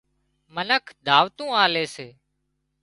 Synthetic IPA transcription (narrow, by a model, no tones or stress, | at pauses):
mənəkʰd̪ʱaːʋt̪ũːaːleːseː